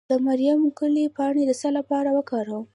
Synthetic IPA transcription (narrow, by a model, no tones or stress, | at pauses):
d̪̥əmaɾjamkəlipɑɽed̪əsalapɑɾawəkɑɾəw